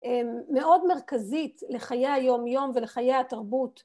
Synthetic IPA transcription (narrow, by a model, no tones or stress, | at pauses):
ʔemːe̞ʔo̞dmeʁkazitle̞χajejajo̞mjo̞mveleχajejataʁbut